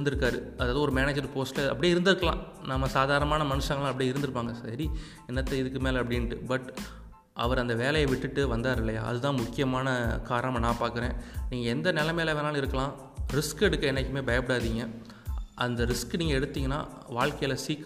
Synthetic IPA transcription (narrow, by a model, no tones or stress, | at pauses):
nd̪ɯɾɯkːaːɾɯɐðaːðɯɔɾɯmeːneːd͡ʒɐɾpoːsʈlɐɐ̰pːɐɽɪjːɪɾɯnd̪ɪɾɯkːɐlã̰ː | namːɐsaːðaːɾɐnɐmaːnɐmɐnɯʂɐ̃ŋɡɐlãːɐpːɐɽiɪɾɯnd̪ɯɾɯpːaːŋɡɐsɐɾi | ɪnːɐt̪ːɐɪðɯkːɯmeːlɐpːɐɽɪnʈːɯ̰bɐʈː | ɐʋɐɾɐnd̪ɐʋeːlɐjɐʋɪʈːɯʈːɯʋɐnd̪aːɾɪlːɐja̰ːɐðɯt̪ãːmʊkːɪjɐmaːnɐkaːɾɐɐmɐnãːpaːɾkɯɾẽːniːŋɡɐɛnd̪ɐnɛlɐmeːlɐʋeːnaːlɪɾɯkːɐlãː | ɾɪskɛɽɯkːɯɛnɛkːɯmeːbɐjɐpɐɽaːðiːŋɡɐ | ʔɐnd̪ɐɾɪskniːŋɡɐɛɽɯt̪ːiːŋɡɐnːa̰ː | ʋaːɭkɐjɪlɐsiːk